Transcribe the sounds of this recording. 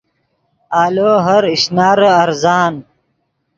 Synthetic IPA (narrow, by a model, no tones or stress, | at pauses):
aːloːɦɐɾiɕnaːɾɐɾzaːn